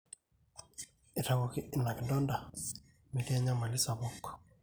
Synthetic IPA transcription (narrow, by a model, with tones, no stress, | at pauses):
e˨ta˨ɡo˨kɪ˦ɪ˦na˨kndɔ˦nda˨ | mi˨ti˦a˦ɲa˦ma˨lɪ˦sa˨bɔ˦kː